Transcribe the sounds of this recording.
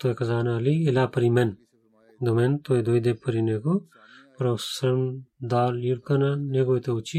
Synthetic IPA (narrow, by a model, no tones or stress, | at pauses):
t̪oekʰɐzaːnaɐliːlaːpɐɾimen | d̪oment̪oed̪ojd̪epːɐɾineku | pɐɾosɐmd̪aːliɽkɐnaneɡojt̪eut͡ʃi